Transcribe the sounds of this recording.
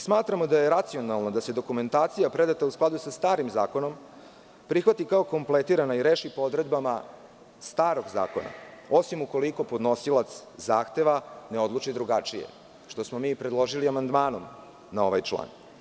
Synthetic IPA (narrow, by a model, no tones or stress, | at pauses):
smaːt̪ɾamo̞d̪aje̞ɾat̪sio̞nalˠnad̪ase̞d̪o̞kume̞nt̪aːt̪sijapɾe̞d̪at̪ausklad̪usast̪aːɾimzaːko̞no̞m | pɾixʋat̪ikao̞ko̞mplet̪iɾanaiɾeːʃipood̪ɾe̞d̪bama | st̪aːɾo̞ɡza̰ːko̞̰na̰o̞simuko̞liko̞pod̪nosilˠat̪szaːxt̪e̞ʋaneo̞d̪lˠut͡ʃid̪ɾuɡat͡ʂijḛ | ʂt̪o̞smo̞miːpɾed̪lˠo̞ʒiliamand̪maːno̞m | nao̞ʋa̰jt͡ʃlˠa̰ːn